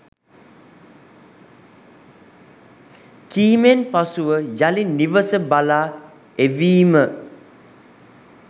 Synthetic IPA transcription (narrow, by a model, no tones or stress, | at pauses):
kiːmẽnpasuəd͡ʒalinnːivəsəbala | evimə